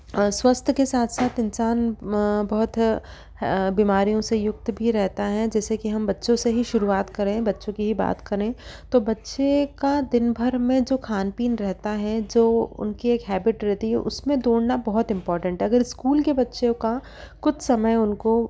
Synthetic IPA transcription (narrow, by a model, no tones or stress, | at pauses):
swɐst̪ʰkesaːt̪ʰsaːt̪ɪnsaːnbɐɦʊt̪ʰ | biːmaːɾijõsejʊk̚t̪bʱiɾɛɦt̪aɦɛd͡ʒɛːsekiɦɐmbɐtːʃõseɦiʃʊɾuaːt̪kɐɾẽbɐtːʃõkiɦiba̰ːt̪kɐɾẽːt̪oːbɐtːʃekad̪ɪnbʱɐɾmẽd͡ʒoːkʰaːnpiːnɾɛɦt̪aɦɛd͡ʒoːʊ̰nkieːkɦɛːbɪʈɾɛɦt̪iɦɛ̰ʔʊ̰smẽd̪oːɽnabɐɦʊt̪ɪ̃mpɔːɾʈə̃ɳʈɦɛɐɡəɾɪskuːlkebɐtːʃõka | kʊt͡ʃʰsɐməjʊnko